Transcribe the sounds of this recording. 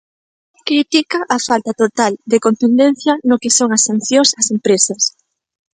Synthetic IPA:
kɾit̪ikaʔɐfalt̪ɐt̪ot̪ald̪ekont̪und̪en̟θjɐnokesoŋɐsːan̟θjõŋsɐsempɾesɐs

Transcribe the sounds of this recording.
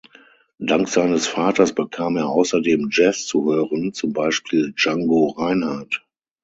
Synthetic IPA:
d̥aŋkz̥aɪnəsfaːtɐsb̥əkʰaːmeːɐʔaʊsɐdeːmd͡ʒɛst͡suhøːʁənt͡sʊmbaɪʃpʰiːld͡ʒaŋɡoʁaɪnhaɐt

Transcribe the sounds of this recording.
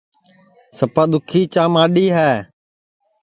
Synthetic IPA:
səpaːd̪ʊkʰiːt͡ʃaːmaːɗiːɦɛː

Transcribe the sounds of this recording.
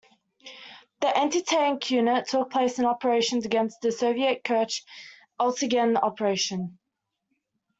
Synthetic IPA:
ðiʔɛ̃ntɪtʰẽɪ̃nkʰj̥ʉːnətʰʊk̚pʰl̥eɪsə̃nɒpəɹeɪʃə̃nzəɡɛ̃nst̪ðəsəʊviəʔ̚kʰɜˑt͡ʃ | əlˠtəɡə̃nɒ̰pəɹeɪʃə̃n

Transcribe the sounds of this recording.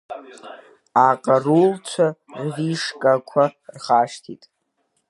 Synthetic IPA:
aqʼarult͡ʃʷʰarʁiʂkʼakʷʰarχaːʃtʰḭtʼ

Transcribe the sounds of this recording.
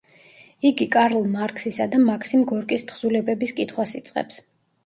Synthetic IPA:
iɡikʼaɾlˠmaɾkʰʼsisad̪amakʰsimɡɔɾkʼist̪χz̥ulɛbɛbiskʼit̪ʰχwasit̪sʼqʼɛ̰ps

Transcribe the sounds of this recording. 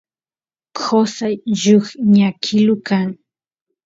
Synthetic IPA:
kʰosajʒʊχɲakʰɪlʊkaŋ

